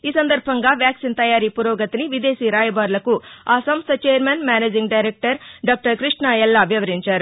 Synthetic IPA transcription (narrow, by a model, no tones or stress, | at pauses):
iːsɐnd̪ɐɾbʱɐŋɡaːʋjaːksint̪ɐjaːɾiːpuɾoːɡɐt̪iniʋid̪eːsiːɾaːjɐbaːɾlɐkuaːsɐmst̪ʰɐt͡ʃeːɐɾmenmʲjaːneːd͡ʒiŋɡɖɐjɾek̚ʈɐɾɖaːk̚ʈɐɾkɾiʂɳaːjɛlːɐɐbʱjɐʋɐɾiɲt͡ʃaːɾu